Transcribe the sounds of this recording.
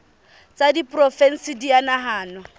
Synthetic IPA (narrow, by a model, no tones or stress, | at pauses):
t͡sʼadipʼrɔfɛn̩sɪdianaɦaːnwa